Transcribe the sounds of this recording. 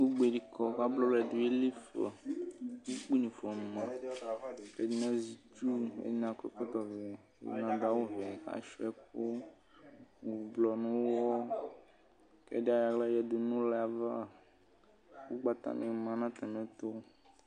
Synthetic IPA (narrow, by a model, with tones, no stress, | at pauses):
wo˦ɡ͡be˨ɖi˨kɔ˦ka˦blɔ˦lɛ˨du˨e˦li˦fḛ˨wo˦k͡pi˦nĩ˨fɔ˨mũ˨mã˨ | ke˦d͡ʒi˦nã˦zi˨t͡ʃu˦ḛ˦d͡ʒi˦nã˨kɔ˦kɔ˦t̪ɔ˨vɛ̰˨˦ | nã˨d̪a˨˦wo˦vɛ˨a̰˨ʃɔ˦ɛ˦k̚o˦ | ŋu˨u˨blɔ˨nũ˦wwɔ˦ | kɛ̰˦di˦a˦ja˨klɛ˦jɛ˨du˨nũ˦lɛ˨a˨va˦ | wo˦ɡ͡ba˦t̪a̰˦nẽ˨mã˨nã˦t̪ɛ˨mɛ̃˦t̪o˦